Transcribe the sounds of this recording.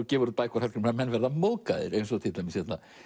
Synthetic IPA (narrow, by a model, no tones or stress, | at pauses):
cɛːvɔɾðpaːjkɔɾhɛɾ̥kʏɾmamɛnːvɛɾðamoːkaðɪ̰ɾejns̬ɔt̪ʰɪlt̪ajmɪsçɛt̪na